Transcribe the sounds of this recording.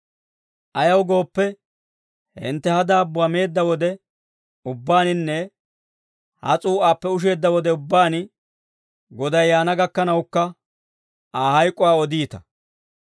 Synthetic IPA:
ʔɐjɐwɡo̞ːpːɛ | hɪ̰nt̪ːɛhɐd̪aːbʊɐme̞ːd̪ːɐwɔd̪ɛ | ʊbːaːnɪnːɛ | hɐ̰t͡sʼuːaːpːɛʊʃ̬e̞ːd̪ːɐwɔd̪ɛʊbːaːn | ɡɔd̪ɐjːaːnɐɡɐkːɐnɐwkːɐ | aːhɐjkʼːʊwaːɔd̪iːt̪ɐ̥

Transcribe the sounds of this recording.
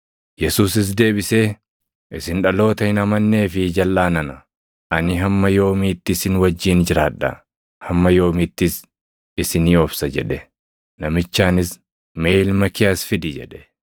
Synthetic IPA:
jɛsuːs̬ɪs̬d̪e̞ːbɪse̞ː | ʔɪsɪnᶑɐlo̞ːt̪ɐɪnɐmɐnːe̞ːfɪd͡ʒɐlːaːnɐnɐ | ʔɐnɪɦɐmːɐjo̞ːmiːt̪ːɪsɪnwɐd͡ʒːiːnd͡ʒɪɾaːᶑɐ̰ | hɐmːɐjo̞ːmiːt̪ːɪs | ɪsɪniːɔbsɐd͡ʒɛᶑɛ | nɐmɪt͡ʃːaːnɪs | meːlmɐkɪjɐsfɪd̪ɪd͡ʒɛ̰ᶑɛ̥

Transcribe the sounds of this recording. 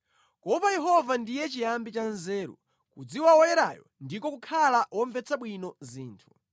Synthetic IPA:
kɔpajɛɦɔvandijɛt͡ʃijambit͡ʃanzɛːɾṵ | kud͡ziwawɔjɛɾa̰jɔndikɔkukʰalawɔɱvɛt͡sʰaɓwinɔziːntʰu̥

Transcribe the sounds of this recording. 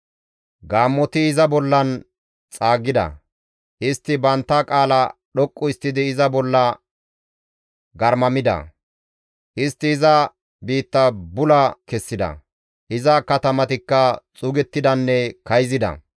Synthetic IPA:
ɡaːmːɔt̪ɪɪzɐbɔlːɐn | t͡sʼaːɡɪd̪ɐ̰ | ʔɪst̪ːɪbɐnt̪ːɐkʼaːlɐɗɔkʼːʊɪst̪ːɪd̪ɪːzɐbɔlːɐ | ɡɐɾmɐmɪd̪ɐ̰ | ʔɪst̪ːɪːzɐ | biːt̪ːɐbʊlɐkɛsːɪd̪ɐ̰ | ʔɪzɐkɐt̪ɐmɐt̪ɪkːɐt͡sʼʊɡɛt̪ːɪd̪ɐnːɛkɐjzɪd̪ɐ̰

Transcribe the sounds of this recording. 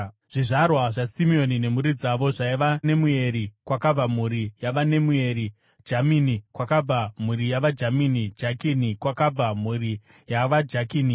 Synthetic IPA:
ʐ̥iʐarwaʐasimio̞nine̞m̤uɾid͡zaʋo̞ʐaiʋane̞mue̞ɾikwakab͡vamuɾijaʋane̞mue̞ɾi | d͡ʒaminikwakab͡vam̤uɾijaʋad͡ʒaminid͡ʒakinikwakab͡vam̤uri | jaʋad͡ʒakiːni

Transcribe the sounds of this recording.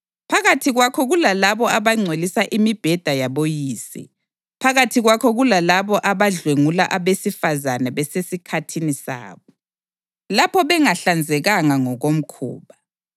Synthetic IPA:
pʰaɣatʰiɣwakʰɔɣulalaβɔaβaŋ͡ǀʱelisaʔimib̥ʱɛd̥ʱajaβojiːsḭ | pʰaɣatʰiɣwakʰɔɣulalaβɔʔaβaɮweŋula̰ʔaβesifazanaβɛsesikʰatʰinisa̰ːβɔ | lapʰɔβɛŋaɬand͡zʱɛɣaŋaŋɔɣom̩kʰṵːβa

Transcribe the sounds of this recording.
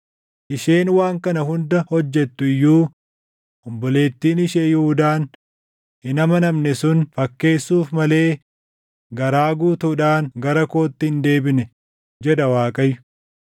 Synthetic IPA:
ʔɪʃeːnwaːŋkɐnɐhʊnd̪ɐhɔd͡ʒːɛt̪ːʊɪjːuː | ʔɔmbɔle̞ːt̪ːiːnɪʃeːjʊhʊd̪aːn | hɪnɐmɐnɐmnɛsʊnfɐkːe̞ːsːuːfmɐle̞ː | ɡɐɾaːɡuːt̪uːᶑaːnɡɐɾɐkoːt̪ːɪhɪnd̪e̞ːbɪnɛ | d͡ʒɛᶑɐwaːkʼɐjʊ̥

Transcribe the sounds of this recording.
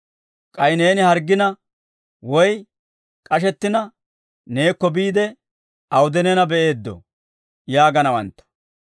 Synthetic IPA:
kʼɐjne̞ːnɪhɐɾɡːɪnɐ | wɔj | kʼɐʃ̬ɛt̪ːɪnɐ | ne̞ːkːɔbiːd̪ɛ | ɐwd̪ɛnɛnɐbɛʔe̞ːd̪ːɔ̰ | jaːɡɐnɐwɐ̰nt̪ːɐ̥

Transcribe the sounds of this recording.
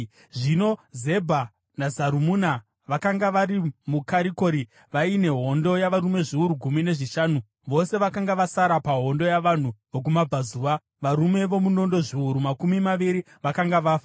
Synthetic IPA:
ʐino̞ze̞bʱa | nazaɾumuːna | ʋakaŋɡaʋaɾimukaɾiko̞ɾi | ʋaine̞ɦo̞ndo̞jaʋaɾume̞ʐiuɾuɡʱumine̞ʐiʃaːnu | ʋo̞se̞ʋakaŋɡaʋasaɾapaɦo̞ndo̞jaʋan̤uʋok̬umabʱazuːʋa | ʋaɾume̞ʋo̞muno̞ndo̞ʐiuɾumakumimaʋiɾi | ʋakaŋɡaʋaːfa

